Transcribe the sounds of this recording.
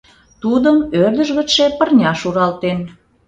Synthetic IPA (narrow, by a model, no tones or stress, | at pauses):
t̪ud̪əmørd̪əʒɣə̆tʃe̽pərnʲɑʃuɾɑlt̪en